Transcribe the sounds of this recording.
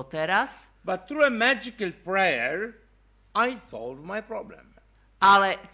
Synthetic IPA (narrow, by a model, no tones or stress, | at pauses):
ɔt̪ɛɾas | bat̪θɾuɛmæd͡ʒikalpɹɛəɹ | ajsɔlvmajpɾɔblɛ̰̃m | ʔalɛ